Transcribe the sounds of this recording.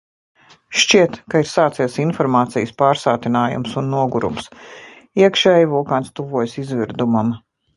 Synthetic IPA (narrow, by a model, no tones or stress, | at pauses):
ʃt͡ʃiɛt̪kaiɾsaːt̪siɛsinfɔɾmaːt̪sijəspaːɾsaːt̪inaːjṵmsunːuɔɡuɾṵms | iɛkʃɛːjvuɔkaːnst̪uvuɔjsizviɾd̪umam